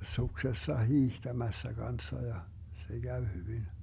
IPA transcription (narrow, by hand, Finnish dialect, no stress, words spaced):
suksesːɑ hiːhtæmæsːæ ɡ̊ɑnsːɑ jɑ se ɡ̊æʋ hyʋin